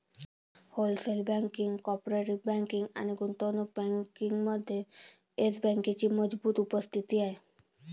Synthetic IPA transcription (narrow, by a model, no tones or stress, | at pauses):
holselbaŋkiŋkɔpɾaɾibaŋkiŋa̰niɡunt̪onuk̚baŋkiŋmɔd̪ʱːje | esbɛŋkit͡ʃimɔd͡ʒbut̪upost̪ʰit̪iae